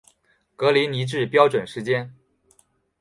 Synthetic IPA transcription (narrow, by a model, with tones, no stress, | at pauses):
kɤ˧˥li˧˥ni˧˥ʈ͡ʂɻ̩˥˩pjɑ˥ʊʈ͡ʂwə˨˩nʂɻ̩˧˥t͡ɕjɛ˥n